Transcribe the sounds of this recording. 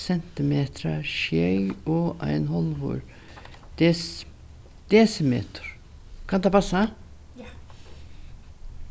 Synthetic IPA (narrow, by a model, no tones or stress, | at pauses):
sɛnt̪ɪmeːt̪ʰɾaʃjœʏɔʔæ̰ɪnhɔlʋṵɾ | d̪̥es | d̪̥eːsəmḛːt̪ʰɾ | kʰɑnt̪ɑpɑsa